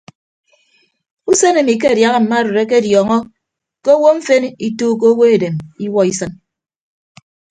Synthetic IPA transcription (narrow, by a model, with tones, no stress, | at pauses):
u˦se˦ne˨mi˨k̬e˦a˨dja˨ɣa˦m̩˨ma˦ɾo˨ɾe˦k̬e˦˨djɔː˨ŋɔ˦ | ke˦o˦wo˦ɱ̩˦fe˦ni˦tuː˦k̬o˦o˦wo˦e˨de˨mi˦wɔ˦i˦sɨ˦n